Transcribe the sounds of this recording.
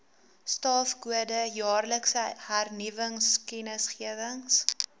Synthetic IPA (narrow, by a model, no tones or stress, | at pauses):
stɑːfɡuədəjɑːrləksəhærnivəŋskɛnəsχiəvəŋs